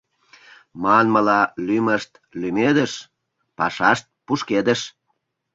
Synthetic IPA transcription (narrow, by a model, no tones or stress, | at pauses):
mɑnməlɑlyməʃt̪ | lymed̪əʃ | pɑ̰ʃɑʃt̪̚puʃked̪əʃ